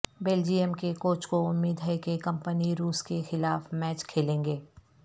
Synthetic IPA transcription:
beːld͡ʒiːemkekoːt͡ʃkoʊmːiːd̪ɦəɛkekɐ̃mpəniɾuːskexɪlaːfmɛːt͡ʃkʰeːlẽːŋɡeː

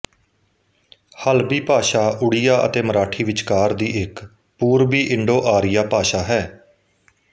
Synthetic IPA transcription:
həlbiːpaːʃaːʔʊɽɪjaːʔə̰t̪eːməɾaːʈʰiːʋɪt͡ʃkaːɾd̪iːɪk | puːɾbiːʔɪɳɖoːʔaːɾɪjaːpaːʃaːɦɛː

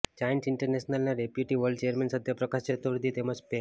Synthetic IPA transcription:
t͡ɕajnsiɳʈəɾnesnalnaɾepjuʈiʋəɾɖt͡ɕejəɾmensəd̪ʱjapɾəkaset̪ʋəɾd̪iːt̪eməd͡ʑpe

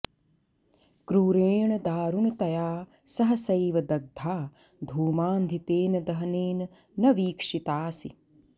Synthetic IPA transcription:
kɾuːɾeːɳɐd̪aːɾunɐt̪ɐjaː | sɐɦɐ̆sɐjʋɐd̪ɐɡ̚d̪ʱaː | d̪ʱuːmaːnd̪ʱit̪eːnɐd̪ɐɦɐneːnɐ | nɐʋiːkʂit̪aːsi

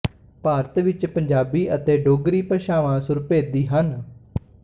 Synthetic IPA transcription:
paːɾət̪ʋɪt͡ʃpəɲd͡ʒaːbiːʔət̪eːɖoːɡɾiːpəʃaːʋãːsʊɾpeːd̪iːɦən

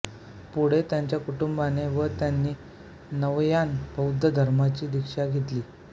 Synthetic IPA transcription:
puɽ̤et̪jaɲt͡ɕjakuʈumbaneʋət̪janːiː | nəʋjanbʱəwd̪ʱːəd̪ʱəɾmat͡ɕiːd̪ikʂaɡʱet̪liː

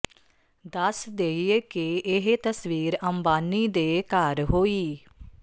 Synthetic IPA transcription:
d̪əsd̪eːiekeɪɦt̪əsʋiːɾəmbaːniːd̪eːkaːɾɦoːiː

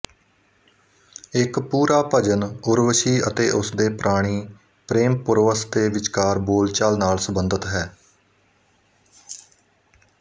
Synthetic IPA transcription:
ɪkpuːɾaːpəd͡ʒənʊɾʋəʃiːət̪eːʔʊsd̪eːpɾʔaːɽ̃iː | pɾeːmpʊɾʋəsd̪eːʋɪt͡ʃkaːɾboːlt͡ʃalnaːlsəbənd̪ət̪ɦɛː

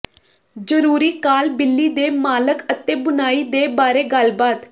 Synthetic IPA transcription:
d͡ʒəɾuːɾiːkaːlbɪlːiːd̪eːmaːləkət̪ẽːbʊnaːiːd̪eːbaːɾeːɡəlbaːt̪

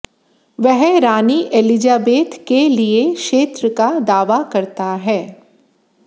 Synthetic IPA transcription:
ʋɛɦɾaːniʔelɪd͡ʒaːbeːt̪kelieʃeːt̪ɾəkad̪aːʋakɐɾt̪aɦɛː

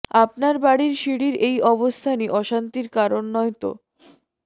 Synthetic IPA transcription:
ap̚naɾbaɽiɾʃiɽiɾejɔbost̪ʰaniʔɔʃant̪iɾkaɾonːɔjt̪o̰

